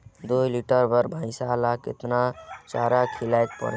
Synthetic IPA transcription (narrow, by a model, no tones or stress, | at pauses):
d̪ojliʈəɾbəɾbʱãɪ̃salakɪ̰t̪nat͡ʃaɾakʰilajk̚pə̰ɽ